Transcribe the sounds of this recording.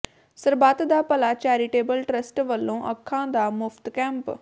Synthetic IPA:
səɾbaːt̪d̪aːpəlaːt͡ʃaːɾiːʈeːbəlʈɾəsʈʋəlːõːʔəkʰːãːd̪aːmʊpʰt̪kɛ̃ːmp

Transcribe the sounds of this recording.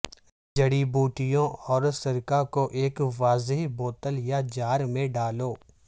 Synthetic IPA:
d͡ʒɐɽibuːʈɪjõʔɔːɾsɐɾkakoʔeːkʋaːzɦiboːt̪əljad͡ʒaːɾmẽɖaːloː

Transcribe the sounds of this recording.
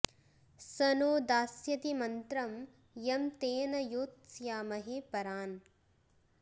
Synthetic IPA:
sɐnoːd̪aːsjɐt̪imɐnt̪ɾɐm | jɐmt̪eːnɐjoːt̪sjaːmɐɦeːpɐɾaːn

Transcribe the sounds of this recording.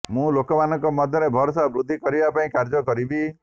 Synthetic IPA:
mũlokɔmanɔ̃ŋkɔmɔd̪ʱjɔɾebʱɔɾɔsabɾud̪ʱːikɔɾibapaĩkaɾd͡ʒɔkɔɾibi

